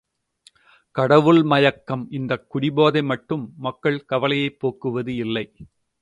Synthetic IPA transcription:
kɐɽɐʋɯɭmɐjɐkːɐmɪnd̪ɐkːʊɽɪboːðɐɪmɐʈːɯmːɐkːɐɭkɐʋɐlɐjɐɪpːoːkːɯʋɐðɯɪlːɐɪ

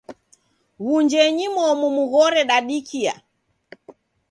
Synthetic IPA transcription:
ɣuɲd͡ʒɛɲimwɔmumuɣɔɾɛɗaɗikʰia̰

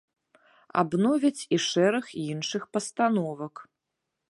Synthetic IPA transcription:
a̰bnɔvʲɐt͡sʲiʂɛɾɐxinʂɨxpɐst̪anɔvɐk

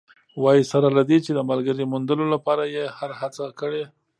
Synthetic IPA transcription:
wɑjisaɾalad̪et͡ʃed̪əmalɡəɾimund̪əlolapɑɾajehaɾhat͡sakəɽe

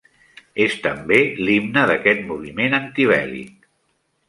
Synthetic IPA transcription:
est̪əmbelimnəðəkɛt̪muβimenənt̪iβɛ̰lḭk̚

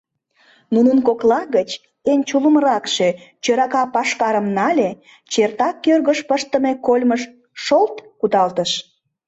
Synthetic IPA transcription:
nunənkoklɑɣət͡ɕ | enʲt͡ɕuləməɾɑkʃet͡ɕøɾɑkɑpɑʃkɑɾəmnɑlʲe | t͡ɕert̪ɑkːørɣəʃpəʃt̪ə̆mekolʲməʃ | ʃolt̪kud̪ɑlt̪əʃ

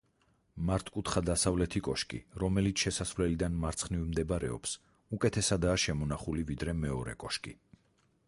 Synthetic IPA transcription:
maɾt̪ʰkʼut̪χad̪asavlɛt̪ʰikʼɔʃkʼḭɾɔmɛlit̪sʰʃɛsasvlɛlid̪anmaɾt̪sʰχnivmd̪ɛbaɾɛ̰ɔ̰ps | ukʼɛt̪ʰɛsad̪aːʃɛmɔnaχulivid̪ɾɛmɛɔɾɛ̰kʼɔʃkʼḭ

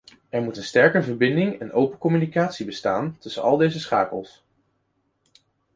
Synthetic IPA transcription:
ɛɹmutənstɛɹkəvəɹbɪndɪŋɛnʔowpənkɔmynikaːtsibəstaːntɵsə̰nɑ̰lˠdejzəsχa̰ːkə̰lˠs

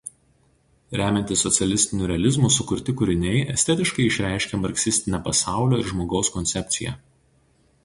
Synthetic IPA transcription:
ɾʲæːmʲɛnʲt̪ʲɪsːɔt̪sʲɛlʲɪsʲt̪ʲɪnʲuːɾʲɛɐlʲɪzmusʊkʊɾʲt̪ʲɪkʊɾʲɪnʲɛɪʔɛsʲt̪ʲɛt̪ʲɪʃkɐɪɪʃʲɾʲæˑɪʃʲkʲɛmɐɾksʲɪsʲt̪ʲɪnʲɛpɐsɑˑʊlʲoːɪɾʒmoːɡɒʊskɔnʲsʲɛpʲt̪sʲɪjɛ̰ːˑ

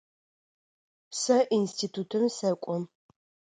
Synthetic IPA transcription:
sɐʔinstʰit̪ʰut̪ʰɐmsɐkʷʼɔn

